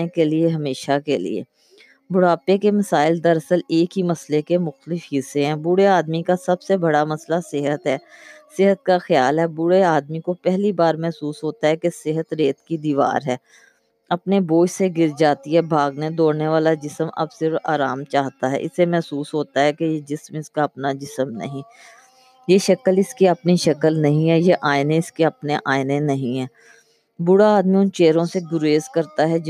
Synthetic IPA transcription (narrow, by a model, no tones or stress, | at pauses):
ekelieɦɐmeːʃakelḭḛː | bʊɽaːpekemɐsaːɪld̪ɐɾəsəleːkɦimɐslekemʊxt̪əlɪfɦɪsẽɦɛ̃ːbʊɽeaːd̪mikasɐbsebɐɽamɐslasɪɦət̪ɦɛːsɪɦət̪̚kaxjaːlɦɛːbʊɽeaːd̪mikopɛɦlibaːɾmɛɦsuːsɦoːt̪aɦɛkesɪɦət̪ɾeːt̪kid̪iːʋa̰ːɾɦɛː | ɐpneboːd͡ʒseɡɪɾd͡ʒaːt̪iɦɛbʱaːɡned̪oːɽneʋaːlad͡ʒɪsəmɐ̰bsɪɾfa̰ːɾaːmt͡ʃaːɦt̪aɦɛ̰ːʔɪ̰semɛɦsuːsɦoːt̪aɦɛkejed͡ʒɪsmɪskaɐpnad͡ʒɪsəmnɐ̰ɦĩ | jeʃɐkəlɪskiɐpniʃɐkəlnɐɦĩɦɛːjeʔaːɪnẽɪskeɐpneʔaːɪnenɐɦĩɦɛː | bʊɽaaːd̪mĩʊnt͡ʃeːɾõseɡʊɾeːzkɐɾt̪aɦɛ